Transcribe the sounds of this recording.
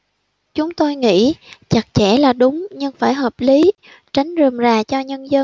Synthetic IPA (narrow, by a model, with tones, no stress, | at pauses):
t͡ɕʊ˨˦ŋ͡mt̪o˧jŋḭ˧˥t͡ɕa˨˩t̚t͡ɕɛ˧˩laː˨˩ɗʊ˨˦ŋ͡mɲɨ˧ŋfaː˧˩jɦəː˨˩p̚li˨˦ | t͡ɕa˨˦jŋ̟zɨ˨˩mzaː˨˩t͡ɕɔ˧ɲə˧nzə˧n